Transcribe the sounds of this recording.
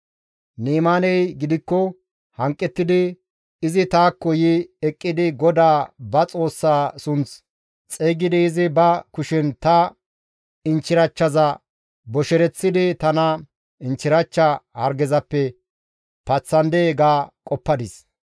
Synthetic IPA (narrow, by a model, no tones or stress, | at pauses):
niːmaːnɛjɡɪd̪ɪkːɔ | hɐŋkʼːɛt̪ːɪd̪ɪ | ɪzɪt̪aːkːɔjɪɛkʼːɪd̪ɪɡɔd̪aːbɐt͡sʼo̞ːsːaːsʊnt͡s | t͡sʼeːɡɪd̪ɪːzɪbɐkʊʃɪnt̪ɐ | ɪnt͡ʃːɪɾɐt͡ʃːɐzɐ | bɔʃɛɾɛt͡sːɪd̪ɪt̪ɐnɐ | ɪnt͡ʃːɪɾɐt͡ʃːɐhɐɾɡɛzɐpːɛ | pɐt͡sːɐnd̪eːɡaːkʼɔpːɐd̪ɪs